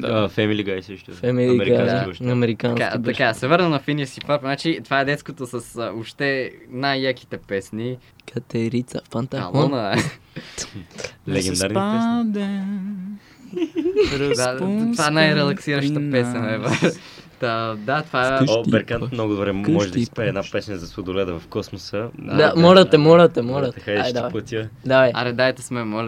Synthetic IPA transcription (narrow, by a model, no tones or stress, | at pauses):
fɛmiliɡaisəʃt̪uɛmmɛɾiad̪aoʃɐmɛɾikakat̪ɐkasɛvɤɾnənɐfinisifaɾpnat͡ʃit̪ovaɛd̪ɛt̪sk̪vot̪osɐsopʃt̪ɛnajːaki̥t̪ɛpɛsni | kɐt̪ɛɾit̪sɐfant̪ɐɐ̰lˠɔnə | lɛɡɛnd̪aɾnd̪ɛ | ɾd̪at̪ovaɛnajɾɛlˠɐksiɾɐʃəpɛsnɐɛv | t̪ad̪at̪ovaoibɛɾkant̪mnɔɡʊd̪obɾɛmɔʒɛd̪ispɛɛːd̪napɛsnəzɐsod̪olʲɛd̪əvɐfkɔsmosəd̪amɔlɐt̪ɛmɔlɐt̪ɛmɔlɐt̪ɛxajad̪aplˠɐt̪ʲiəd̪aɛɐ̰ɾɛd̪aɛt̪ɛsmɛmɔlʲ